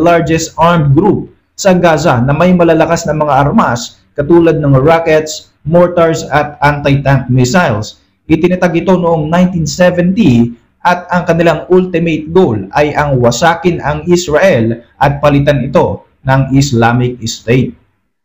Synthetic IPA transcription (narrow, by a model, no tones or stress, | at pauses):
laɹd͡ʒɛst̪ʔaɹmd̪̚ɡɾup̚ | sɐɡaːzanɐmɐjmɐlalɐkasnɐmɐŋaʔɐɾmas | kɐt̪uːlɐd̪̚nɐŋɹakɛt̪s | moɹt̪ɐɹsɐt̪̚ʔant̪ɐjt̪aŋk̚mɪsajls | ʔɪt̪ɪnɐt̪aɡʔɪt̪o̞nʊʔoŋnaj̃nt̪insɛvɛnt̪i | ʔɐt̪̚ɐŋkɐnɪlaŋʔult̪ɪmejt̪̚ɡowlɐjʔɐŋwɐsaːkɪnɐŋʔɪsɹaʔɛlʔɐt̪̚pɐlɪt̪anɪt̪o̞ | nɐŋɪslamɪk̚ɪst̪ejt̪̚